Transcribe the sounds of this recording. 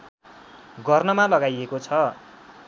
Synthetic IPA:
ɡʌrnʌmalʌɡajekot͡sʰʌ

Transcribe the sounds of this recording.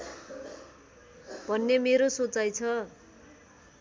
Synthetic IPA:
bʱʌnːemeɾosot͡sajt͡sʰʌ

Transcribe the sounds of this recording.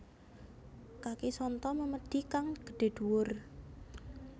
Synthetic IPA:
kakisɔnt̪ɔməməɖ̪̥ikaŋɡ̥ə̥ɖ̥e̤d̪̥uwʊr

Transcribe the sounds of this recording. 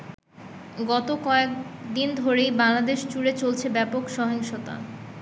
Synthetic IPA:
ɡɔt̪okɔekd̪ind̪ʱoɾejbaŋlad̪eʃt͡ɕuɽet͡ɕolt͡ɕʰebɛpokʃɔɦeŋʃot̪a̰

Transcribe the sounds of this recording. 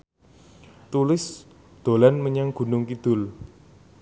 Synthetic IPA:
t̪ulɪs | d̪̥o̤lanməɲaŋɡ̥ṳnʊŋkid̪̥ʊ̤l

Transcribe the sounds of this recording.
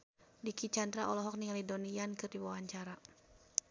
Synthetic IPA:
dikit͡ʃand̪ɾaʔɔlɔɦɔk̚niŋalidɔniankɨrdiwawaɲt͡ʃaɾa

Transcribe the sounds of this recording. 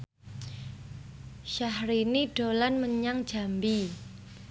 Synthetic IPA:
ʃahɾiniɖ̥olanməɲaŋ̥d͡ʒ̥a̤mbi

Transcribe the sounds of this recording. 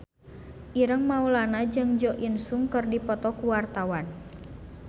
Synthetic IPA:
ʔiɾəŋmaulanad͡ʒɨŋd͡ʒɔʔinsuŋkərdipɔt̪ɔkuwart̪awan

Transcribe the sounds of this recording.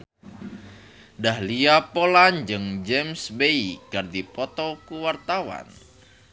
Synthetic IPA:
dahliapoland͡ʒɨŋd͡ʒɛmsbeikard̪ipɔt̪ɔkuwart̪awa̰n

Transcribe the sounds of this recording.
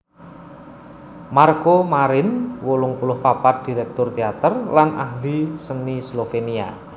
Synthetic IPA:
markomaɾɪnwolʊŋpulʊhpapat̪̚d̥i̤ɾɛk̚t̪ʊrt̪eat̪ərlanʔa̰ɦlisənislofenia̰

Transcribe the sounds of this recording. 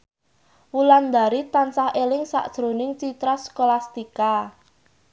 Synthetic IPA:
wuland̪a̤ɾit̪ansahelɪŋsa̰ʔd̥ʒ̥ɾo̤nɪŋt͡ʃit̪ɾaskolast̪ika

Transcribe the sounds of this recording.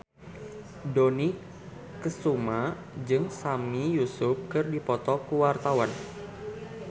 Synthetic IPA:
doni | kəsuma | d͡ʒɨŋsamijusʊp̚kɨrdipɔt̪ɔkuwart̪awan

